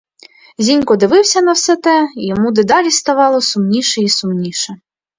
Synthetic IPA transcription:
zʲinʲkɔd̪ɪʋɪwsʲɐnɐwsɛt̪ɛijɔmud̪ɪd̪ɑlʲist̪ɐʋɑlˠɔsʊmnʲiʃɛisʊmnʲiʃɛ

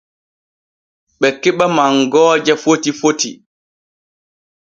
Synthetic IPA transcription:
ɓɛkɛɓamaŋɡɔːd͡ʒafotifotḭ

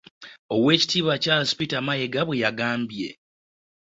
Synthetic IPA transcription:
o̞we̞ːci̥tiːβwacaspitamajeɡaβwe̞jaɡaːmbje̞̰

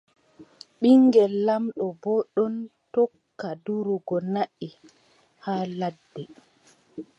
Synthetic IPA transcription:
ɓiŋɡɛlːamɗɔbɔɗɔntɔkːaduɾuɡɔnaʔi | haːladːɛ

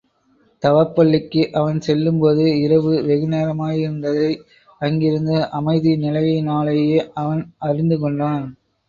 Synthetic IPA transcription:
t̪ɐʋɐɾpːɐɭːɪkːɯʔɐʋɐnsɛlːɯmpoːðɯɪɾɐʋɯʋɛɣɯneːɾɐmaːjɪɾɯnd̪ɐðɐɪ | ɐŋɡɪɾɯnd̪ɯʔɐmɐɪðinɪlɐjɐɪnaːlɐjeːʔɐʋɐnɐɾɪnd̪ɯkɔɳɖaːn

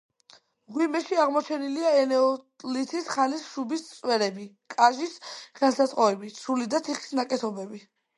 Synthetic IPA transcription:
ʁwimɛʃiaʁmɔt͡ʃʰɛniliaɛnɛɔt̪ʼlit̪ʰisχanisʃubist̪sʼwɛɾɛbi | kʼaʒisχansat̪sʼqʼɔɛbisulid̪at̪ʰiχi̥snakʼɛt̪ʰɔbɛbi

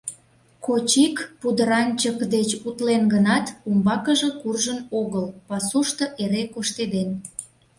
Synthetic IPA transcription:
kot͡ɕikpud̪əɾɑnʲt͡ɕəkd̪et͡ɕut̪lenɡənɑt̪umbɑkəʒekurʒənoɣəlpɑsuʃt̪oʔeɾekoʃt̪ed̪en

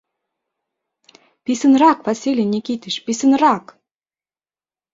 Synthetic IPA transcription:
pisɘ̆nrɑkvɑsʲilʲinʲikʲit̪ʲiʃpisə̆nrɑk

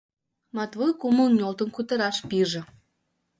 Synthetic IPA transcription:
mɑt̪vojkumə̆lˠnʲolˠt̪ə̆nkut̪ə̆ɾɑʃpiʒĕ

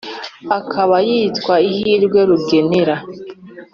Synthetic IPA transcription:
akʰaβajiːtkwaihiːɾɡwe̞ɾuɡeneɾa

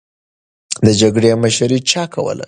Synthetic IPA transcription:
d̪əd͡ʒaɡɽeaməʃaɾit͡ʃɑkʰawə̰la̰

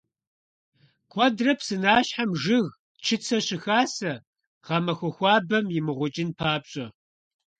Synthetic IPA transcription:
kʷʰʼɔdrɐpʰsɨnaːɕħamʒɨɣ | t͡ʃʰɨt͡sʰɐɕɪxaːsɐ | ʁ̥ɐmɐxʷɔxʷɑːbɐmjɪmɨʁʷʊt͡ʃʼɪnpʰaːpɕʼɐ

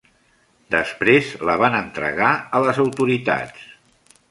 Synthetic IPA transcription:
d̪əspɾezləβanənt̪ɾə̰ɣaələzəwt̪uɾit̪a̰s

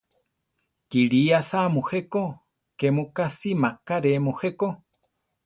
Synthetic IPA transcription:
kiɾiasamũheko | kemũkasimakaɾemuheko

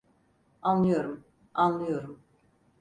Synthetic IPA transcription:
anlˠɯjo̞ɾum | anlˠɯjo̞ɾum

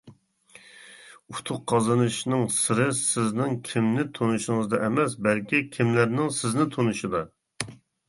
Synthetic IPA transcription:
ut̪ʰʊqqʰːɑzɨnɨʃnɨŋsɨɾɨsɪznɪŋkʲʰimnɪt̪ʰonuʃɪŋɨzd̪ɑʔɛmɛsbælkʲikʲʰimlæɾnɪŋsɪznɪt̪ʰonɨʃɨd̪ɑ

